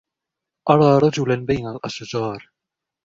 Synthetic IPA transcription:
ʔɑɾˤɑːɾˤɑd͡ʒʊlanbajnalʔaʃd͡ʒɑːɾˤ

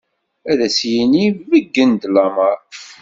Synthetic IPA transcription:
æðæsjinivəɡːənd̪lɑməɾˤ

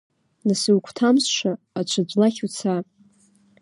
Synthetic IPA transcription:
nɨsɨwkʷʰtʰamsʃaːt͡ʃʷʰad͡ʒʷlaχʲut͡sʰa

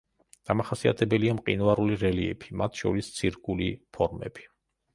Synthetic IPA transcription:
d̪̥amaχasia̰t̪ʰɛbɛliamqʼḭnvaɾuliɾɛliɛ̰pʰi̥mat̪ʰʃɔ̰ɾist̪sʰiɾkʼulipʰɔɾmɛ̰b̥i̥

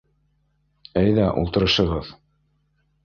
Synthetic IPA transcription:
æjðæʔṵlˠt̪ɤ̆ɾɤ̆ʃɤ̆ʁɤð

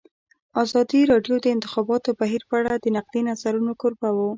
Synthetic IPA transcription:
ɑzɑd̪iɾɑɖjod̪əɪnt̪ɪ̥xɑbɑt̪obaɦiɾpəaɽad̪ənaq̚linazaɾunokoɾbawo

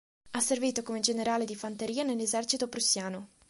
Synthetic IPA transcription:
asːerviːt̪okomed͡ʒeneɾaːled̪ifant̪eɾiːanelːezɛrt͡ʃit̪opɾusːjaːno

